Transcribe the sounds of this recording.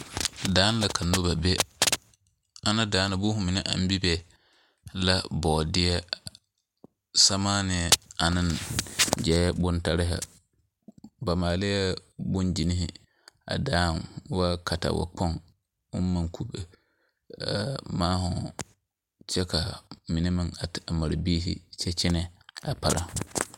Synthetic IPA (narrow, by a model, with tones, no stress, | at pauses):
daː˨˦n˦la˨kʰa˨no˦ba˨bɛ˦ | a˦na˦daː˨˦na˨bʊ˦hʊ̃˨mɪ˨ni˦ʔã̰˨m˦bi˦bɛ˨ | la˦bɔː˨dɪ˦ɛ˦ | sa˦maː˦nɪ˨ɛ˨a˨nɪ̃˦nd͡ʒɛ˦bʊ˦nta˦ɾɪ˦ɦa̰˨ | ba˨maː˨lɪ˦ɛ˦bu˦nd͡ʒi˨ni˦hi˦ | a̰˨daː˦˨n˦wa˦ka˨ta̰˨wa̰˨k͡pɔ˦n | ṵ˦nma˨kʰu˦be˨ | maː˦hu˨ | t͡ʃɛ˦ka˨mi˨ni˦ma˨na˨a˨ma˨ɾbiː˦hḭ˦t͡ʃɛ˦t͡ʃi˦nɛ˨a̰˨pa˨ɾʔa̰˦